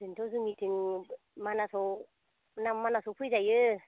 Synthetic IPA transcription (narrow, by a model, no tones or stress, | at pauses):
zɯntʰɔzɯmitʰɯŋ | manasɔw | namːanasɔpʰɯjzajɯ